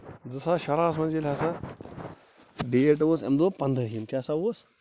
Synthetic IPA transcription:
d͡zɨsaːʃɐɾaːs̬mɐnd͡ʒelʲɦasa | ɖieʈoːsḛmd̪oːpɐnd̪əɦimkʲjaːsaoːs

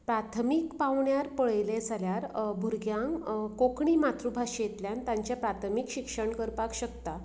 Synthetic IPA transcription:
pɾat̪ʰəmikpawɳjaɾpəɭjled͡zʱaljaɾbʱuɾɡjãŋkokɳimat̪ɾubʱaɕjet̪ljant̪ãɲt͡ɕjapɾat̪ʰəmikɕikʂəɳkəɾpakɕəkt̪a

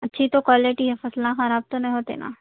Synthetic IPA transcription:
ɐtːʃʰit̪okwaːleʈiɦɛfɐslãxaɾaːb̚t̪onɐ̃ɦĩɦoːt̪ḛna̰ː

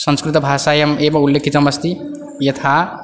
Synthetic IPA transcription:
sə̃nskɾit̪bʱasajʌmebaulːekʰit͡sʌmʌst̪ʰi | jʌt̪ʰa

